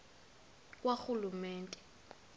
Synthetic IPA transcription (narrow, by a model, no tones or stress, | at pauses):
kʼwaxulumɛːntʼɛ̥